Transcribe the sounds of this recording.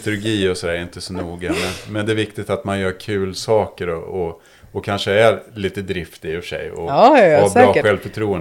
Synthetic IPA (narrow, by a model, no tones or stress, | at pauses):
t̪ɵɾɡiːɔsɔd̪æːɾɛɾɪnt̪əsɔnuːɡamɛnmɛnd̪ɛæːvɪkt̪ɪɡt̪at̪manjœːɾkʰʉ̟ːlsɑːkəɾɔɔ | ɔkʰanʂəæɾliːt̪əd̪ɾɪft̪ɪɪfœʂɛ̰jɔ̰hbɑːɧɛlvfœʈʰɾuːən